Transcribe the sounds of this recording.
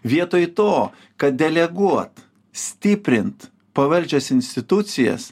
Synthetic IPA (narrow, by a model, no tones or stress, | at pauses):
ʋʲiɛt̪oːjt̪oː | kɐt̪̚d̪ʲɛlʲɛɡuɔt̪ | sʲt̪ʲɪpʲɾʲɪnt̪ | pɐʋɐlʲd͡ʒʲɛsɪnʲsʲt̪ʲɪt̪ʊt̪sʲɪjɛ̰s